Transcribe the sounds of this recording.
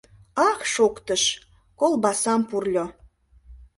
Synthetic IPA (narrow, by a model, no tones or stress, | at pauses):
ɑxʃokt̪əʃ | kolbɑsɑmpurlʲo